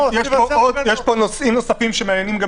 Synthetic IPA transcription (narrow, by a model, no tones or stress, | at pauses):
jɛojɛʃponosimnosafimʃemeanjenimɡa